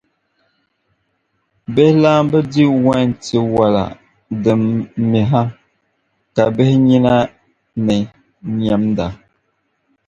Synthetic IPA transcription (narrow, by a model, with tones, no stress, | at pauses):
bɛ˦hlaː˦m˦bə˦di˦wa˦˨n˨ti˨wa˨la̰˨ | də˨mmi˨ɦa˦ | ka˨bɛ˦hɲi˦na˦ | nə˨ | ɲ˨a˨mnda˨